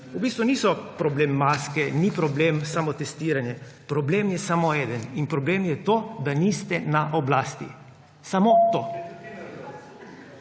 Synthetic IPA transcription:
ubiːst̪ʋuniːsɔpɾɔbleːmːaskɛnipɾɔbleːmsamɔt̪ɛst̪iːɾanjɛpɾɔbleːmjɛsamoɛːd̪əninpɾɔbleːmjɛt̪oːd̪anist̪ɛnaʔɔblaːst̪ḭ | samot̪oː

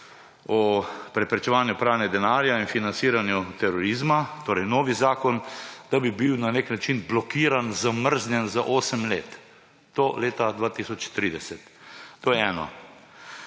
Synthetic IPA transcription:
ɔpɾɛpɾɛt͡ʃɛʋaːnjupɾaːwnɛd̪ɛnaːɾjainfinansiːɾanjut̪ɛɾɔɾizmat̪oːɾɛjnoːʋizaːkɔnd̪abibiwnaneknat͡ʃinblɔkiːɾanzaməɾznʲjɛnzaʔoːsəmleːt̪ | t̪oːleːt̪ad̪ʋaːt̪isɔt͡ʃt̪ɾiːd̪ɛsɛt̪ːoːjɛɛːnɔ̰

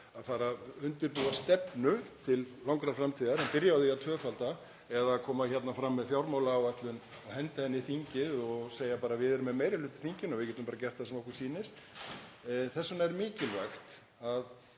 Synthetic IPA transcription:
aðfaːɾaʏnt̪ɪɾpuːast̪ɛpnʏt̪ʰɪllawŋkɾafɾamt̪ʰiːðaɾɛmpɪɾjaθiaðt̪ʰœːfalt̪a | ɛðakʰɔːmaçɛt̪nafɾamːɛðfjawɾmawlaːwat̪lʏn | ɔɣhɛnt̪ɪhɛnːɪθiɲcɪðɔɣseːjapaːɾavɪðɛɾʏmɛmeːjɾɪlʏːt̪ɪ̥θiɲcɪnɔvɪɾcɛːt̪ʏmpaːɾacɛr̥t̪asɛmɔhkv̥siːnɪst̪ | θɛsːʏnaɛɾmɪːcɪlvajxt̪ | að

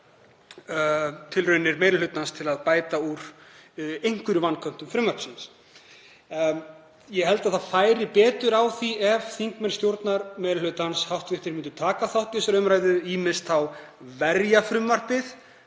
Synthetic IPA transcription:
t̪ʰɪlrœːɥnːɪɾmejɾɪlʏt̪nanst̪ʰɪlaðpaːjt̪auɾ̥ | ejŋ̥kvʏɾvanːkʰœn̥t̪ʏmfɾʏmvaɾ̥psins | jɛɦɛlt̪aðθaðfaːjɾɪpɛːt̪ʏɾawθiɛvθiŋkmɛnst̪jowɾt̪naɾmejɾɪlʏt̪anshawht̪vɪht̪ɪɾmɪnt̪ʏt̪ʰaːkaθawht̪ɪsɾœmɾaːjðʏiːmɪst̪θawvɛɾjafɾʏmvar̥pɪθ

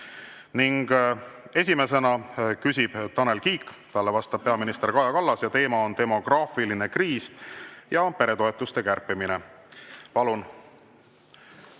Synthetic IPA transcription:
niŋɡ̥e̞s̬ʲime̞s̬e̞nɑkysʲib̥t̪ɑne̞lkiːkːˑt̪ɑlːe̞vɑst̪ɑb̥̚peɑminist̪erkɑjɑkɑlːɑsjɑt̪e̞ːmɑo̞nt̪e̞mo̞ɡ̥rɑːfiline̞kriːsjɑpe̞ɾe̞t̪o̞e̞t̪ːˑust̪e̞kærpːimine̞ | pɑlun

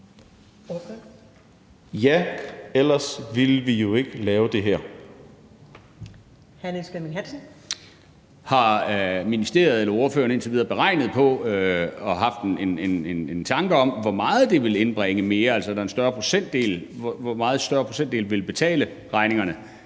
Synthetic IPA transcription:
jæel̰ɐsʋilʋijo̝e̝ɡ̥əlɛːʊd̥e̝ɦæɐ̰ | hænəseminɦæsn̩ | hɑ̈minisd̥e̝ɐð̞̩ˠelɐo̝ːɐføːɐnəe̝nt͡sʰeʋiːð̞ˠɐb̥e̝ʁɑ̈ɪnəð̞̩ˠpʰɒ̽øɒ̽ɦɑ̈fd̥e̝ne̝nenent͡sʰɑ̈ŋɡ̥əɒ̽mʋɒmɑ̈ːð̩ˠd̥e̝ʋe̝le̝nb̥ʁɛŋəme̝ːɐæl̰sɒ̽ædɾɑɐensd̥ɶɐpʰo̝̥sen̰d̥e̝̰ːlʋɒmɑːð̞̩ˠsd̥ɶɐpʰʁosen̰d̥e̝ːlʋe̝lb̥e̝t͡sʰɛ̰ːlə | ʁɑ̈ɪne̝ŋɐnə

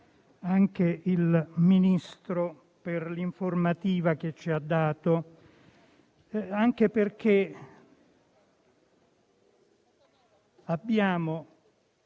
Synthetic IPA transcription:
aŋkeilminist̪ɾo | perliɱformat̪iːvak̟et͡ʃːiad̪ːaːt̪o | aŋkeperk̟e | abːjaːmo

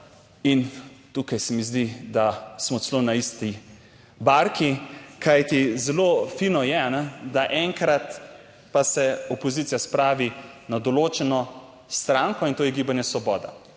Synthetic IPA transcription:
int̪uːkajsɛmizd̪id̪asmɔsɛlonaist̪i | baɾkikʰajt̪izɛloːfinɔjɛanɛd̪aʔɛŋkɾat̪ | pasɛɔpɔzit̪sijaspɾaːʋinad̪ɔloːt͡ʃɛnɔ | st̪ɾaːŋkɔint̪oːjɛɡiːbanjɛsʋɔbɔːd̪a̰

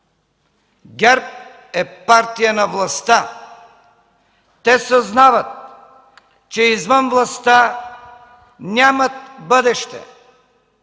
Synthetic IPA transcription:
ɡʲɛɾp̚ | ɛpaɾt̪ijənɐvlˠɐst̪a | t̪ɛsoznavət̪̚ | t͡ʃɛizvənvlˠɐst̪a | nʲamət̪̚bəd̪ɛʃt̪ɛ̰

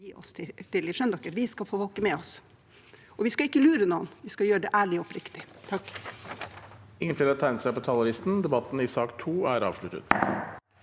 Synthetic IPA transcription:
iːʔɔ̰st̪ʰɪt̪ɪlːɪʂœnd̪ɑkːəɾʋɪskɑlfoːʋɑlkəmɛɔs | ɔʋɪskɑɪkːəlʉːɾənuːə̰nʋɪskɑjøːɾəɖɛʔæːɭɪɔpɾɪkt̪ɪt̪ʰɑkː | ɪŋːənt̪ɪlɑt̪ʰːæɪnsɛpɔt̪ʰɑlʊɾɪst̪n̩d̪ɛbɑt̪ːn̩ɪsɑːkt̪ʰuːæɾɑ̰ːʋʂlʉt̪ə̰t̪

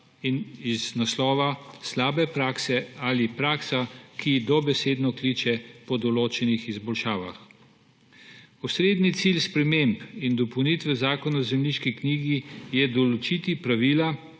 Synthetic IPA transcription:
iniznaslɔːʋaslaːbɛpɾaːksɛalipɾaːksakid̪ɔbɛseːd̪nɔklit͡ʃɛpɔd̪ɔloːt͡ʃɛnixizbɔlʃaːʋa̰x | pɔsɾeːd̪nit̪silspɾɛmempind̪ɔpɔwnit̪ʋɛzaːkɔnazɛmniʃkikniːɡijɛd̪ɔlɔt͡ʃiːt̪ipɾaʋiːla

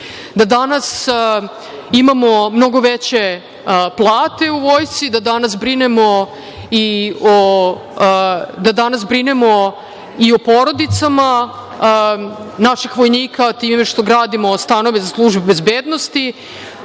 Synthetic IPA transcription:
d̪ad̪anas | imamo̞mno̞ɡo̞ʋet͡ɕe̞ | plˠaːt̪e̞uʋoːjsid̪ad̪anasbɾinemo̞ | io | d̪ad̪anas̬bɾinemo̞ | io̞poɾo̞d̪it̪sama | naʃixʋo̞jniːkat̪iːmme̞ʃt̪o̞ɡɾaːd̪imo̞st̪ano̞ʋe̞zaslˠuʒbubezbeːd̪no̞st̪i

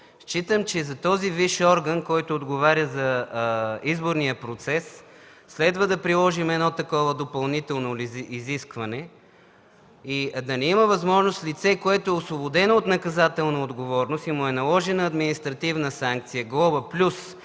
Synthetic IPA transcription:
ʃt͡ʃit̪əmt͡ʃɛzɐt̪ɔziviʃɔɾɡənkɔjt̪ʊːd̪ɡovaɾʲəzɐ | izboɾnijəpɾot̪sɛsː | lɛd̪vəd̪ɐpɾilˠɔʒimɛd̪nɔt̪ɐkɔvəd̪opɐlˠnit̪ɛlˠnoiziskvɐnɛ | id̪ɐnɛimɐvɐzmɔʒnost̪lit̪sɛkoɛt̪oɛosvobod̪ɛnoːt̪nɐkɐzat̪ɛlˠnɐod̪ɡovɔɾnost̪imʊɛnɐlˠɔʒɛnɐɐd̪minist̪ɾɐt̪ivnəsaŋk̚t̪sijəɡlˠɔbəplʲus

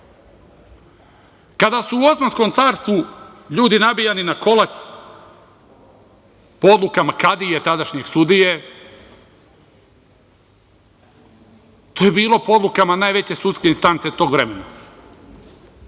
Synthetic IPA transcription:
kad̪asuːo̞smansko̞mt̪saːɾst̪ʋuʎuːd̪inabijaninako̞lat̪s | pood̪lukamakad̪ijet̪ad̪aʃɲe̞ɡ̥sud̪ije̞ | t̪oːje̞biːlˠo̞poo̞d̪lˠukamanaːjʋe̞t͡ɕe̞sut̪ske̞inst̪ant̪se̞t̪o̞ːɡʋɾe̞me̞na

